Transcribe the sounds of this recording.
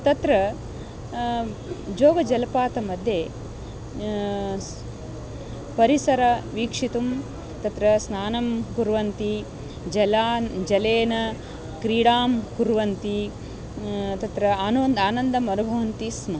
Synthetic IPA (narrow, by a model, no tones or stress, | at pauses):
t̪ɐt̪ɾɐ | d͡ʒoːɡɐd͡ʒɐlɐpaːt̪ɐmɐd̪ʱjeː | pɐɾisɐɾɐʋiːkʂit̪um | t̪ɐt̪ɾɐsnaːnɐmkuɾʋɐnt̪i | d͡ʒɐlaːd͡ʒɐleːnɐ | kɾiːɽaːmkuɾʋɐnt̪i | t̪ɐt̪ɾɐaːnɐʋnd̪aːnɐnd̪ɐmɐnubʱɐʋɐnt̪ismɐ